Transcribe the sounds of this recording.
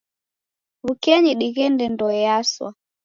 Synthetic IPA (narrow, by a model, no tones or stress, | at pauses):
βukɛɲiɗiɣɛndɛndɔjaswa̰